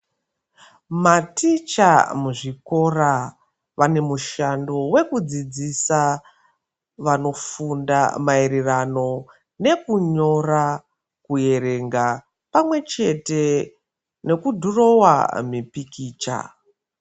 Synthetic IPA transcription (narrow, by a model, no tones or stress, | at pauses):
matit͡ʃa̰muʐiko̞ra | ʋane̞muʃando̞we̞kud͡zid͡zisa | ʋano̞funda̰maiɾirano̞ | ne̞kuɲo̞ra | kuje̞ɾe̞ŋɡa | pamwe̞t͡ʃe̞te̞ | ne̞kudʱuro̞wa̰mipikiːt͡ʃa̰